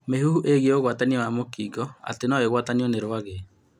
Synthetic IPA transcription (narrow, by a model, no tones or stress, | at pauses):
meɦuhuʔeɣiɛoɣwataniɔwamokiːɡɔa̰tenɔeɣwataniɔneɾwaɣe